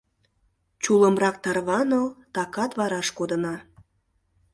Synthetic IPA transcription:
t͡ɕuləmrɑk̚t̪ɑrβɑnəlt̪ɑkɑt̪βɑɾɑʃkod̪ənɑ

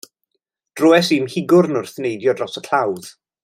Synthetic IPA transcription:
d̥rʊɛsinhɪɡʊɾnʊrθnejdjɔdrɔsəkʰl̥awð̥

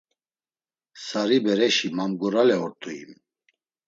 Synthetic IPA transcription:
saɾibɛɾɛʃimamɡɔɾalɛɔɾt̪ʼuḭm

